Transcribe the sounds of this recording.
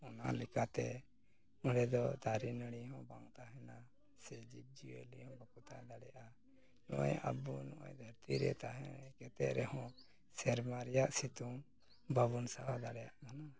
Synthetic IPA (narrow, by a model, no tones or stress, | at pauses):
ɔnalɛkat̪ɛ | ɔɽɛd̪ɔt̪aɾinəɽ̃iɦɔ̃ba̰ŋt̪aɦɛna | sɛd͡ʒib̚d͡ʒiɛ̰lihɔ̃bakut̪ad̪aɽɛjaʔa | nɔ̰ʔɔ̰jə̰bunɔʔɔ̃jd̪ʱəɾt̪iɾɛ̰t̪aɦɛ̃kɛt̪ɛʔɾɛhɔ̃ | sɛɾmaɾɛjaʔsit̪uŋ | bʱabunsaɦad̪aɽɛjaʔkʰana